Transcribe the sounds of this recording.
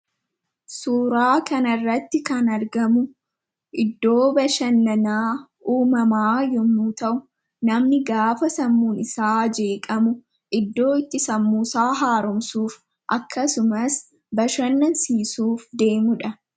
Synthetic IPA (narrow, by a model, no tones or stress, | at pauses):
suːɾaːkɐnɐrːɐt̪ːɪkɐnɐɾɡɐmʊ | ʔɪd̪ːo̞ːbɐʃɐnːɐnaː | uːmɐmaːjɔmuːt̪ɐʔʊ | nɐmnɪɡaːfɐsɐmːuːnɪsaːd͡ʒe̞ːkʼɐmʊ | ʔɪd̪ːo̞ːɪt̪ːɪsɐmːuːsaːɦaːɾʊmsuːf | ʔɐkːɐsʊmɐs | bɐʃɐnːɐnsiːsuːfd̪e̞ːmʊᶑɐ